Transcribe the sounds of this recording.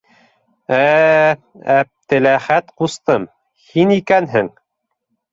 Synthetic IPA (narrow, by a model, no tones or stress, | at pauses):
æ | æp̚t̪ɘ̆læχæt̪qust̪ɤm | hinikænɦɘŋ